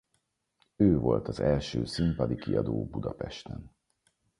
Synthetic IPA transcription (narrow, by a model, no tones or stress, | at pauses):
øːvo̞lt̪ɒzɛlʃøːsympɒd̪ikiɒd̪oːbud̪ɒpɛʃt̪ɛn